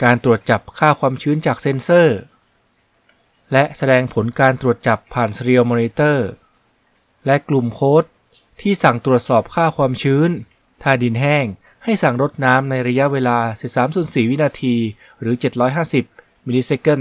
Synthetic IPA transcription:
kaː˧nt̪ɾu˨˩ət̪̚t͡ɕa˨˩p̚kʰaː˥˩kʰwaː˧mt͡ɕʰɯː˦˥nt͡ɕaː˨˩k̚se˧˥nsɤː˥˩ | lɛ˦˥ʔsa˧dɛː˧ŋpʰo˩˦nkaː˧nt̪ɾu˨˩ət̪̚t͡ɕa˨˩pʰːaː˨˩nsɾi˧ə˧moː˧ni˧˥t̪ɤː˥˩ | lɛ˦˥klu˨˩mkʰoː˦˥t̪̚ʰː | iː˥˩sa˨˩ŋt̪ɾu˨˩ət̪̚sɔː˨˩p̚kʰaː˥˩kʰwaː˧mt͡ɕʰɯː˦˥n | t̪ʰaː˧˩di˧nɦɛː˥˩ŋ | ha˥˩jsa˨˩ŋɾo˦˥t̪̚naː˦˥mna˧jɾa˧ja˦˥ʔweː˧laː˧si˨˩p̚saː˩˦msu˨˩ənsiː˨˩wi˦˥naː˧t̪ʰiː˧ | ɾɯː˩˦t͡ɕe˨˩t̪̚ɾɔː˦˥jɦaː˥˩si˨˩p̚ | miː˧niː˧se˦˥kɤ˥˩n

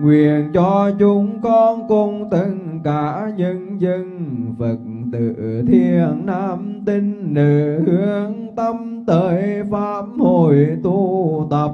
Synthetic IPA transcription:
ŋwḭ˧˨ənt͡ɕɔ˧t͡ɕʊ˨˦ŋ͡mkɔ˧nkʊ˧˩ŋ͡mt̪ə˧ŋkaː˧˦ɲə˧ŋzə˧nvə˨˩k̚t̪ɨ̰˧˨t̪ʰi˧ənnaː˧˥mt̪i˧ŋ̟ːɨ˧˨˩hɨ˨˦əəŋt̪ə˧mt̪əː˨˦jfaː˧˥mho˧˩jt̪u˧t̪ə˨˩p̚

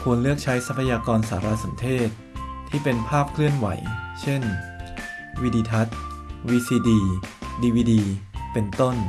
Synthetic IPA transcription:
kʰu˧ənlɯ˥˩ək̚t͡ɕʰa˦˥jsa˦˥pʰa˧jaː˧kɔː˧nsa̰ː˩˦ɾa˦˥sa˩˦nt̪ʰeː˥˩t̪̚ʰː | iː˥˩pe˧npʰaː˥˩p̚kʰlɯ˥˩ənwa̰˩˦jt͡ɕʰe˥˩n | wiː˦˧˥diː˧t̪ʰa˦˥t̪̚wiː˧siː˧diː˧diː˧wiː˧diː˧pe˧nt̪o˥˩n

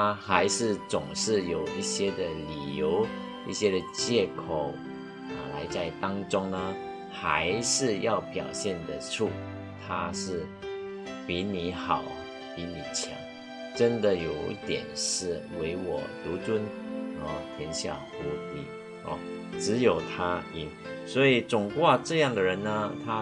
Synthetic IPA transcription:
a˥xa˧˥ɪʂɻ̩˥˩t͡sʊ˨˩ŋʂɻ̩˥˩jo˨˩ʊi˥˩ɕjɛ˥d̪ə˨li˨˩jo˧˥ʊ | i˥˩ɕjɛ˥d̪ə˨t͡ɕjɛ˥˩kʰo˨˩ʊ | ə˨˩la˧˥ɪt͡sa˥˩ɪt̪ɑ˥ŋʈ͡ʂʊ˥ŋnə˨ | xa˧˥ɪʂɻ̩˥˧jɑ˥˩ʊpjɑ˨˩ʊɕjɛ˥˩nd̪ə˩ʈ͡ʂʰu˥˩ | t̪ʰa˥ʂɻ̩˥˩ | pi˧˥ni˧˥xɑ˨˩ʊ | pi˧˥ni˨˩t͡ɕʰjɑ̰˧˥ŋ | ʈ͡ʂə˦˥nd̪ə˨jo˨˩ʊḭ˥˩t̪jɛ̰˨˩nʂɻ̩˥˩we˧˥ɪwɔ̰˨˩t̪u˧˥t͡swə˥nə˧˩t̪ʰjɛ˧˥nɕja̰˥˩tu˧˥t̪i˧˥ | ɔ̰˧˩ʈ͡ʂɻ̩˧˥jo˨˩ʊt̪ʰa˥i˨˥˩ŋ | swɔ˧˥i˨˩t͡sʊ˨˩ŋkwa˥˧ʈ͡ʂɤ˥˧jɑ˥˩ŋd̪ə˩ɻə˧˦nnə˧t̪ʰa˥

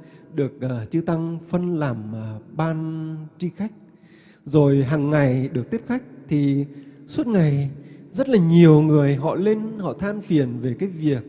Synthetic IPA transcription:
ɗɨ˨˩ək̚ʔəː˨˩t͡ɕɨ˧t̪a˧ŋfə˧nlaː˨˩mː˨˩ɓaː˧nt͡ɕi˧xa˦˥jk̟̚ | zo˨˩jɦaː˨˩ŋːa˨˩jɗɨ˨˩ək̚t̪i˦˥əp̚xa˦˥jk̟̚t̪ʰi˨˩su˦˥t̚ŋa˨˩jzə˦˥t̚laː˨˩ɲi˨˩əwŋɨ˨˩əjɦɔ̰˧˨le˧nhɔ̰˧˨t̪ʰaː˧mfi˨˩ənve˨˩kaː˨˦jvi˨˩ək̚

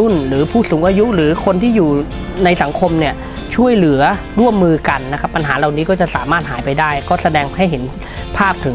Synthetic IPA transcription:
u˥˩nɾɯː˩˦pʰuː˥˩suː˩˦ŋʔaː˧ju˦˥ʔɾɯː˩˦kʰo˧nt̪ʰiː˥˩juː˨˩ | na˧jsa˩˦ŋkʰo˧mni˥˩ɐ | t͡ɕʰu˥˩əjlɯ˩˦ɐɾu˥˩əmːɯː˧ka˧nːa˦˥kʰa˦˥pːa˧nɦaː˩˦la˨˩wniː˦˥kɔː˥˩t͡ɕa˨˩ʔsaː˩˦maː˥˩t̪̚ɦaː˩˦jpa˧jdaː˥˩jkɔː˥˩sa˧dɛː˧ŋha˥˩jɦe˩˦n | pʰaː˥˩p̚t̪ʰɯ˩˦

